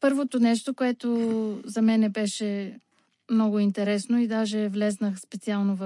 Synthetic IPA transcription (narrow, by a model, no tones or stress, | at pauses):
pɤɾvot̪onɛʃt̪okoɛt̪ozɐmɛnɛbɛʃɛ | mnɔɡʊint̪ɛɾɛsnoid̪aʒɛvlʲɛznəxspɛt̪sialˠnov